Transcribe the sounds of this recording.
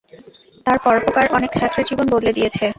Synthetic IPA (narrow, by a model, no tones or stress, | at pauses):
t̪aɾpɔɾopokaɾʔɔnekt͡ɕʰat̪ːɾed͡ʑibonbod̪led̪ijet͡ɕʰe